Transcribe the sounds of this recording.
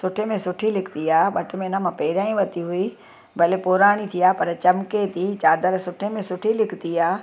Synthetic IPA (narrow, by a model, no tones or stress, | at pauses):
sʊʈʰemẽsʊʈʰilɪkʰt̪iaːɓɐʈmẽɪnamãpeːɾãːĩʋɐt̪iɦʊi | bʱɐlepoːɾaːɽ̃it̪ʰijaːpɐɾt͡ɕɐmket̪ʰit͡ɕaːd̪əɾsʊʈʰemẽsʊʈʰilɪkt̪iaː